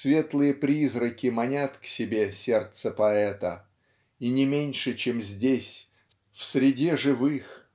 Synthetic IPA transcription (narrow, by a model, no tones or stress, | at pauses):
svʲe̞t̪lˠɨjəpɾʲizɾəkʲɪmɐnʲat̪ksʲɪbʲe̞sʲe̞rt̪səpɐɛt̪ə | inʲɪmʲenʲʂɨt͡ɕemzʲdʲesʲ | fsʲɾʲɪdʲeʐɨvɨx